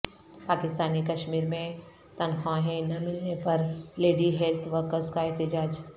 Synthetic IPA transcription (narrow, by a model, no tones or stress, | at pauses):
paːkɪst̪aːnikɐʃmiːɾmẽ | t̪ɐnxʰãɦẽnɐmɪlnepɐɾleːɖiɦelt̪ʰʋəɾkəskaɛɦt̪ɪd͡ʒaːd͡ʒ